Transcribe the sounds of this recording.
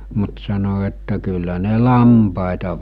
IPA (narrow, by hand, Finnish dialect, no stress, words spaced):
mut sɑno etːæ kylːæ ne lɑmpɑˑetɑ